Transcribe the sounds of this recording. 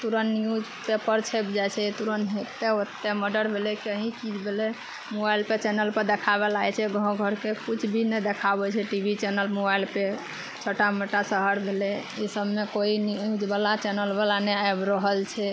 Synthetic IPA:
t̪uɾənijud͡ʒpepəɾt͡ʃʰep̚d͡ʒajt͡ʃʰɛt̪uɾənɦet̪eot̪ːeməɖəɾbʱelɛkiəɦĩt͡ʃid͡ʒbʱelɛ | mobailpet͡ʃɛnəlpəɾd̪ekʰaβelajt͡ʃʰɛɡʱɔ̃ɡʱəɾkekut͡ʃʰbʱinɛd̪ekʰabɛt͡ʃʰɛʈibʱit͡ʃɛnəlmobailpe | t͡ʃʰoʈameʈasəɦəɾbʱelɛisəbmekoinud͡ʒbalat͡ʃɛnəlbalaneabɾəɦəlt͡ʃʰɛ

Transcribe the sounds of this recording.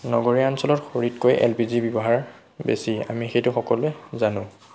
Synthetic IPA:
nɔɡoɹiansɔlɔtxoɹitkojʔɛ̰lpizibibɔɦaɹ | bḛsia̰mixejtʊxɔkɔlɛzanʊ̃

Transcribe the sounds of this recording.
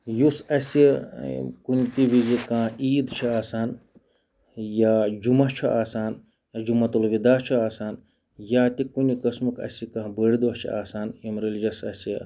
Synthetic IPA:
jusɐsi | kunʲit̪iʋizikãːiːd̪t͡ʃʰiaːsaːn | jaːd͡ʒumɐɦt͡ʃʰuʔaːsaːn | d͡ʒumɐt̪ulʋid̪aːt͡ʃʰuaːsaːn | jaːt̪ikunʲikɐsmukɐ̰sikãːbəɽid̪oɦt͡ʃʰḭaːsaːnimɾelid͡ʒɐsɐsi

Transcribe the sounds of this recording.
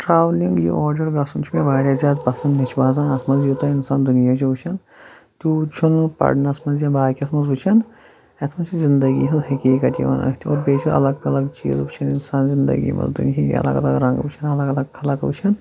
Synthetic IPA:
ʈɾaːʋliŋɡjḭʔoːɾɖɐɾɡɐsunt͡ʃʰumʲeʋaːɽaːzʲjaːd̪pɐsɐnd̪nit͡ʃʰbaːzɐnɐt̪ʰmɐzjut̪ɐɪnsaːnd̪unijaːt͡ʃʰibut͡ʃʰɐn | t̪ʲuːt͡ʃʰunpɐ̰ɽnɐsmɐzjabaːkʲiɐt̪ʰmɐzbut͡ʃʰɐn | ɐt̪ʰmɐnt͡ʃʰizɪnd̪ɐɡḭɦɐzɦɐkʲiːkɐt̪ḭʋɐ̰nɐ̰t̪ʰio̰ːɾbeːt͡ʃʰuɐ̰lɐɡ̚t̪ɐlɐɡt͡ʃḭːzbut͡ʃʰɐninsaːnzɪnd̪ɐ̰ɡḭmɐ̰nzd̪ṵnjikʲḭɐ̰lɐ̰ɡɐlɐɡɾɐ̃ŋɡbut͡ʃʰɐnɐlɐɡɐlɐɡkʰɐlɐkbut͡ʃʰɐn

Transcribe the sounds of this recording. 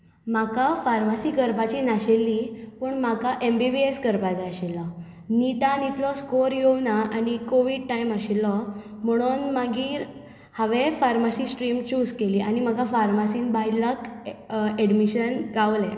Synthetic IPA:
makafaɾmasiːkəɾpat͡ɕiːnaɕelːiːpəɳmakaʔembibieskəɾpad͡zaaɕelɔ | niʈanit̪ʰlɔskoɾjownaʔañikoʋiːɖ̚ʈaiməɕelɔ | m̤əɽ̃unmaɡiːɾ | haʋefaɾmasiːsʈɾimt͡ɕuːd͡zkeliːañimaɡafaɾmasiːnbʱajlək | eɽmiɕənɡaʋlɛ̃

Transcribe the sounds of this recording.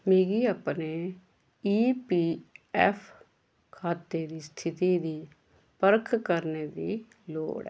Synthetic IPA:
miːɡiːapneː | iːpiːɛːpʰ | kʰaːt̪ːeːd̪iːst̪ʰɪt̪iːd̪iː | pəɾkʰkəɾneːd̪iː | lo̰ːɽɛ̰

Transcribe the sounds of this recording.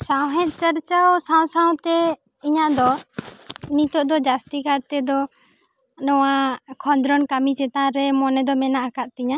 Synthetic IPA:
sawɦɛ̃t̪̚ˀt͡ʃəɾt͡ʃawsãw̃sãw̃t̪ɛ | iɲad̪ɔ | nit̪ɔʔd̪ɔd͡ʒast̪ikaɾt̪ɛd̪ɔ | nɔwakʰɔnd̪ɾɔnkamit͡ʃɛt̪ãɾɛmɔnɛd̪ɔmɛnaʔakaʔ̪̚t̪iɲa

